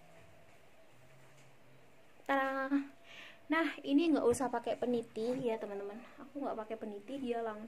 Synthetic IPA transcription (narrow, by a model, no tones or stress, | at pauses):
t̪aa | nahiniŋɡa̰ʔusahpakepənit̪ijat̪əmənt̪əmənakuŋɡa̰ʔpakepənit̪idijalaŋ